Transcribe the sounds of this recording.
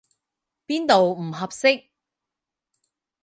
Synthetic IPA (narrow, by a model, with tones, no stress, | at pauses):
piː˥nt̪o˨wm̩˨˩ɦɐ˨p̚sɪ˥k̚